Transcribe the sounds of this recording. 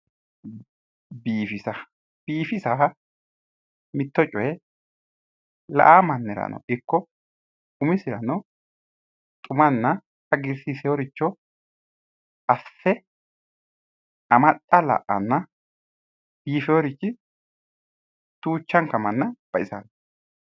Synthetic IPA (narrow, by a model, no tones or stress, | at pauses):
biːfɪsɐ | b̥iːfɪsa | mɪt̪ːɔt͡ʃʼɔjɛ | lɐ̰ʔaːmɐnːɛɾɐ̰nɔ̰ɪkːɔ | ʊmɪsɪɾɐ̰nɔ | t̪ʼʊmɐnːɐ | ɐɡɪɾsɪsɛjoɾɪt͡ʃːɔ | ʔɐfːɛ | ɐmɐt̪ʼːɐlɐ̰ʔɐnːɐ | b̥iːfɛjɔɾɪt͡ʃːɪ | t̪uːt͡ʃːɐŋkɐmɐnːɐb̥ɐʔɪsɐ̰nɔ